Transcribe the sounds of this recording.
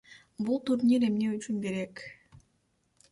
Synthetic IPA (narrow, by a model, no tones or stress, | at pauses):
bulˠt̪uɾnʲiɾe̞mne̞yt͡ʃynɡeɾe̞k